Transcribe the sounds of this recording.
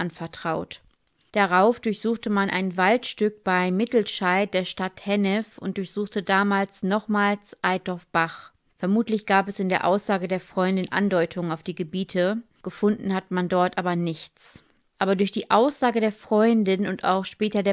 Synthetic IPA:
ʔanfɛɐtʁ̥aʊt | d̥aʁaʊfd̥ʊɐçz̥uːxtəmanʔa̰ɪnvaltʃtʏk̚b̥aɪmɪtl̩ʃaɪd̥eːɐʃtathɛnɛfʔʊ̰nt̚d̥ʊɐçz̥uːxtədaːmaːlsnɔχmaːlsʔaɪdɔɐfb̥aχ | fɛɐmuːtlɪçɡ̥aːpɛsɪndeːɐʔa̰ʊsz̥aːɡədeːɐfʁ̥ɔʏndɪnʔa̰ndɔʏtʰʊŋənaʊfd̥iːɡəbiːtʰə | ɡ̥əfʊndn̩hatəmandɔɐtʔaːbɐnɪçt͡s | ʔaːbɐdʊɐçd̥iːʔaʊsz̥aːɡədeːɐfʁ̥ɔʏndɪnʊntʔa̰ʊxʃpɛːtɐdeːɐ

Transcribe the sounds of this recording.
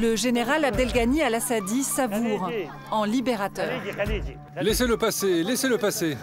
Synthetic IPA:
ləʒeneʁalab̚d̪ɛlɡanialasad̪isavuʁ | ɑ̃libeʁat̪œːʁ | leseləpaseleseləpase

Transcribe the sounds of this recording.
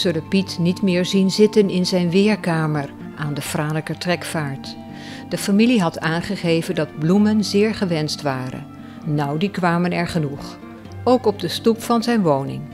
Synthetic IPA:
z̥ɵləpitnitmɪːɹzinzɪtənɪnzɛjnʋɪːɹkaːməɹ | ʔaːndəfraːləkətrɛkfaːɹt | d̥əfamiliɦɑtʰaːnχəχejvəndɑd̚blumənzɪːɹχəʋɛnstʋaːrə̰nː | ʌwdikʋaːmənɛɹχənuχ | owkɔb̚dəstupfɑnzɛjnʋownɪ̰ŋ

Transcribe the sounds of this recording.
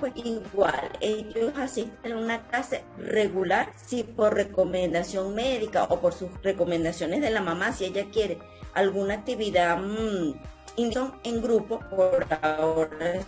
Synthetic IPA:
pwesiɣwaleʝosasist̪enunaklase̞re̞ɣulaɾsipoɾre̞komẽnd̪asjo̞ŋmeðika̰ʔopoɾsusre̞ko̞mẽnd̪asjo̞nezðe̞lamãmasieʝakje̞ɾe | alɣunak̚t̪iβiða | ind̪oŋeŋɡɾupopoɾaoɾa

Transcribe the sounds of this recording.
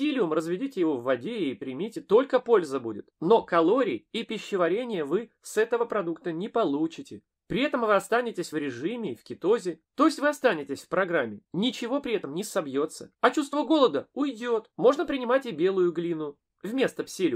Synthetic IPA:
psʲilʲɪʊmrəzvʲɪdʲitʲɪjɪvo̞vːɐdʲeːpɾʲɪmʲitʲɪt̪o̞lʲkəpo̞lʲzəbudʲɪt̪no̞kɐlˠoɾʲɪːipʲɪɕːɪvɐɾʲenʲɪjəvɨ | sɛt̪əvəpɾɐd̪ukt̪ənʲɪpɐlˠut͡ɕɪtʲɪ | pɾʲɪɛt̪əmvɨɐst̪anʲɪtʲɪsʲvɾʲɪʐɨmʲɪːfʲkʲɪt̪o̞zʲɪt̪o̞jɪsʲtʲvɨɐst̪anʲɪtʲɪsʲfpɾɐɡɾamʲːɪnʲɪt͡ɕɪvo̞pɾʲɪɛt̪əmnʲɪsɐbjo̞t̪sːəɐt͡ɕust̪vəɡo̞lˠəd̪əʊjdʲo̞t̪mo̞ʐnəpɾʲɪnʲɪmatʲɪbʲe̞lˠʊjʊɡlʲinʊ | vmʲe̞st̪əpsʲelʲɪ

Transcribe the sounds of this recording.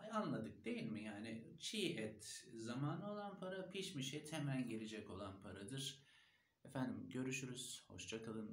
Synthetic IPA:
anlˠad̪ɯk̚d̪e̞jilʲmijaːnɪt͡ʃʰiːʔɛt̪zamaːnɯo̞lˠanpʰaɾapʰiʃmiʃɛt̪ʰhemælʲɟelʲed͡ʒɛco̞lˠanpʰaɾad̪ɯɾ̥ | efænd̪imɟø̞ɾyʃyɾyz̥ho̞̰ʃd͡ʒakʰalˠɯn

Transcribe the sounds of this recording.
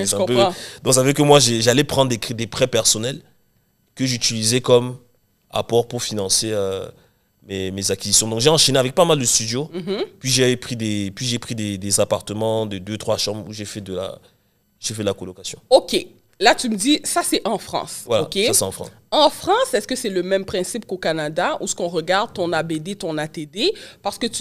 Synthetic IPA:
ɛsɛ̃pød̪ɔ̃ksavøkəmwaʒeʒalɛpχɑ̃nd̪ʁd̪ekid̪epχɛpɛʁsɔnɛl | kəʒyt̪ilizɛkɔm | a̰pɔʁpuʁfinɑ̃seø | memezakʲizisjɔ̃d̪ɔ̃kʒeɑ̃ʃeneavɛk̚pamald̪əst̪yd̪jopɥiʒepχid̪epɥiʒepχid̪ed̪ezapaʁt̪əmɑ̃d̪əd̪øt̪χwaʃɑ̃bʁuʒefɛd̪əla̰ | ʒefɛd̪əlakɔlɔkasjɔ̰̃okʲe | lat̪yməd̪isasɛʔɑ̃fχɑ̰̃svwalaoakesasɛɑ̃fχɑ̰̃s | ɑ̃fχɑ̃sɛskəsɛləmɛmpχɛ̃sip̚kokanad̪ausə̥kɔ̃ʁəɡaʁd̪̚t̪ɔ̃nabed̪et̪ɔ̃nat̪ed̪epaʁsə̥kət̪y

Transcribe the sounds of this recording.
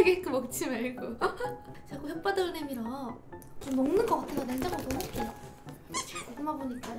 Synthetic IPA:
ɡek͈ɯmʌk̚t͡ɕʰimaɭɡo | t͡ɕaɡoçjʌk̚p͈adʌɯnemiɾʌ | t͡ɕomnʌŋnɯnɡʌk͈atʰesʰʌneŋd͡ʑaŋotonok͈e | t͡ɕakoɡɯmaboɲik͈a

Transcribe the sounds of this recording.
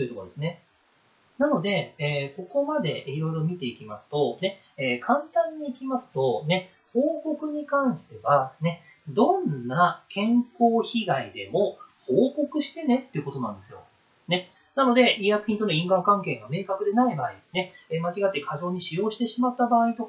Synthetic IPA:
t̪ojɯ̟t̪o̞kod̪esɨne̞ | nano̞d̪e̞ːko̞ko̞mad̪e̞iɾo̞iɾo̞mʲit̪e̞ikʲimasɨ̥t̪o̞ne̞ | eːkʰãnt̪ãɲ̟ːiːkʲimasɨ̥t̪o̞ne̞ | ho̞ːko̞kɯ̟ɲ̟ikãɰ̃ɕi̥t̪e̞βane̞ | d̪õ̞nːakʰẽ̞ŋko̞ːçiɡaid̪e̞mo̞hoːko̞kɯ̟ɕi̥t̪e̞ne̞t̪ːe̞jɯ̟ko̞t̪o̞nãnd̪e̞sɨjo̞̰ | ne̞ | nano̞d̪e̞ijakɯ̟çʲĩnt̪o̞noĩŋɡãŋkãŋke̞ːɡame̞ːkakɯ̟d̪e̞naibaːine̞mat͡ɕiɡat̪ːekʰaʑo̞ːɲ̟iɕijo̞ːɕi̥t̪e̞ɕimat̪ːabaːit̪o̞k

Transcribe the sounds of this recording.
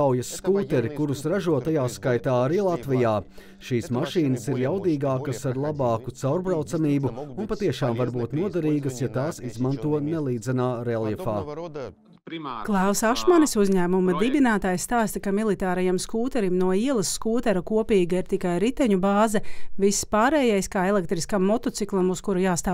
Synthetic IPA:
awjɐsːkuːt̪ɛɾikuɾusɾaʒuɔt̪ajaːskajt̪aːaɾiːlˠat̪ʋijaː | ʃiːsmaʃiːnɐsiɾjawd̪iːɡaːkɐsaɾlˠabɑːkut̪sawɾbɾawt̪samiːbuunpat̪iɛʃaːmvaɾbuːt̪nuɔd̪aɾiːɡəsjat̪aːsizmant̪uɔnɛlˠiːd̪zɛnaːɾɛlˠjɛfaː | klˠawsaʃmanisuzʲɲæːmumɐd̪ibinaːt̪aːjst̪aːst̪ɐkamilˠit̪aːɾajamskuːt̪ɛɾimnuɔiɛlˠɐsːkuːt̪ɛɾɐkuɔpiːɡɐiɾt̪ikajɾit̪ɛɲubaːzɛvisːpaːɾɛːjɛjskaːelˠɛk̚t̪ɾiskamːɔt̪ɔt̪siklˠɐmuskuɾujaːst̪aː

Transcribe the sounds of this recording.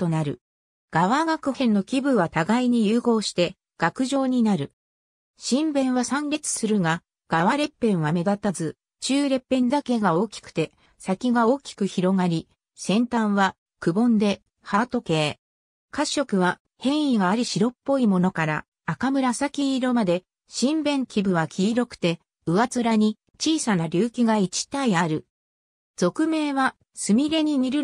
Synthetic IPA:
t̪o̞naɾɯ̟̰ | ɡ̥aβaɡakɯ̟hẽ̞nːo̞kʲibɯ̟βat̪aɡaiɲ̟ijɯːɡo̞ːɕi̥t̪e̞ | ɡ̥akɯ̟ʑo̞ːɲ̟inaɾɯ̟ | ɕĩmbẽ̞ɰ̃βasãnɾʲe̞t͡sɨ̥sɨɾɯ̟ɡa | ɡ̥aβaɾe̞pːẽ̞ɰ̃βame̞d̪at̪azɨ | t͡ɕɨːɾe̞pːẽ̞nd̪ake̞ɡao̞ːkʲi̥kɯ̟̥t̪e̞ | sakʲiɡao̞ːkʲi̥kɯ̟çiɾo̞ŋɡaɾʲi | sẽ̞nt̪ãɰ̃βa | kɯ̟bõ̞nd̪e̞ | hat̪o̞ke̞ː | kaɕːo̞kɯ̟βa | hẽ̞ɰ̃iɡaːɾʲiɕiɾo̞pːo̞imo̞no̞kaɾa̰ | akamɯ̟ɾasakʲiːɾo̞mad̪e̞ | ɕĩmbẽ̞ŋkʲibɯ̟βakʲʰiːɾo̞kɯ̟̥t̪e̞ | ɯ̟βat͡sɨɾaɲ̟i | t͡ɕiːsanaɾʲɨːkʲiɡait͡ɕi̥t̪aiaɾɯ̟ | z̥o̞kɯ̟me̞ːβa | sɨmʲiɾe̞ɲ̟iɲiɾɯ̟

